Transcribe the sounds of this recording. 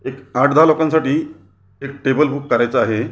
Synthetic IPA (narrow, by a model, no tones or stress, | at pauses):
ekaʈʰd̪alokãnsaʈiː | ek̚ʈebəlbuːkːəɾajt͡səaɦe